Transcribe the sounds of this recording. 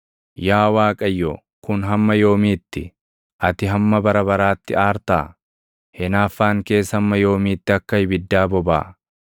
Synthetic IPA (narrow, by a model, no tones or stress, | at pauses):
jaːwaːkʼɐjːɔː | kʊnɦɐmːɐjo̞ːmiːt̪ːɪ | ʔɐt̪ɪɦɐmːɐbɐɾɐbɐɾaːt̪ːɪaːɾt̪a̰ː | hɛnaːfːaːŋke̞ːshɐmːɐjo̞ːmiːt̪ːɪɐkːɐhɪbɪd̪ːaːbɔba̰ː